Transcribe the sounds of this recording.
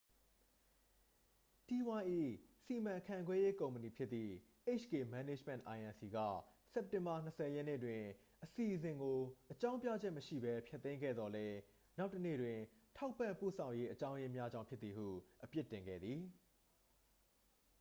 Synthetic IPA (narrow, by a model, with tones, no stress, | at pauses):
ti˨wã˨˦ʔḭ˦˨si˨mã˨kʰã˨ɡwɛ˦je˦kõ˨ʊ̃mpəni˨pʰjɪ˦t̪t̪ːḭ˦˨ʔe˦ɪt͡ɕʰɡe˨mã˨ne˦d͡ʑm̥ɛ̰̃˨ʔa˨ʔã˨nsi˨ɡä̰˦˨ | sɛ˦p̚tɪ̃˨mba˨n̥əsɛ˨jɛ˦ʔnḛ˦˨twɪ̃˨ | ʔəsi˨ʔzɪ̃˨ŋɡo˨ʔət͡ɕã˦ʊ̃mpjä̰˦˨d͡ʑɛ˦ʔməʃḭ˦˨bɛ˦pʰjɛ˦t̪ːẽ˦ŋɡɛ̰˦˨d̪ðɔ˨lɛ˦ | na˦ʊtːənḛ˦˨dwɪ̃˨tʰa˦ʊpːã̰˦˨mpṵ˦˨sʰã˨ʊ̃je˦ʔət͡ɕã˦ʊ̃je˦mja˦d͡ʑã˦ʊ̃pʰjɪ˦t̪i˨hṵ˦˨ʔəpjɪ˦tːɪ̃˨ŋɡɛ̰˦˨d̪ði˨